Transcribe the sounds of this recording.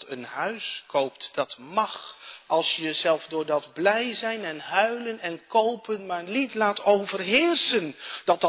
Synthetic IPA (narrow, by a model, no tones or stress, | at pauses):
tənɦœɥskʰowptd̥ɑtmɑχʔɑlˠsjəzɛlˠvdʊːɹdɑdblɛjzɛjnɛnɦœɥlənɛnkowpənmaːrlitlaːtowvərɦɪːrsənd̥ɑt̚d